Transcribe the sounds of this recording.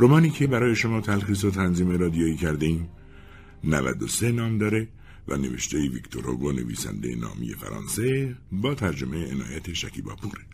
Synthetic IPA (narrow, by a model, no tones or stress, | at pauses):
ɾomɒːniːcʰe̞bæɾɒːje̞ʃo̞mɒːt̪ʰælxiːs̬ot̪ʰænziːmeɾɒːd̪ijoːiːcʰæɾd̪eiːm | nævæ̰d̪ose̞nɒːmd̪ɒːɾe̞ | væ̰ne̞ve̞̰ʃt̪ʰejevikt̪ʰoɾo̰ɡone̞̰vḭːsæ̰nd̪ejenɒ̰ːmḭje̞̰fæ̰ɾɒ̰ːnse̞bɒːt̪ʰæɾd͡ʒo̞mejeenɒ̰ːjæt̪ʰeʃæcʰiːbɒ̰ːpʰuːɾe